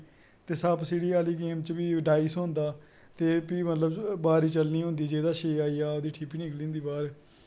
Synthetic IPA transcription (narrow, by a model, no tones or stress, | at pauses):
t̪eːsəbsiːɽiːaːliːɡeːmt͡ʃbiːɖaːɪsɦõːnd̪aː | t̪eːpiːmət̪ləbbaːɾiːt͡ʃəlniːɦʊ̃nd̪iːd͡ʒeːd̪aːʃeːaːiːaːoːd̪iːʈʰiːpiːnɪklĩːnd̪iːbaːɾ